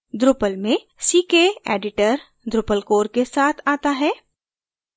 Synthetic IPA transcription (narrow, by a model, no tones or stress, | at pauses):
d̪ɾʊpəlmẽ | siːkeḛːɖɪʈəɾ | d̪ɾʊpəlkoːɾkesaːt̪ʰaːt̪aɦɛː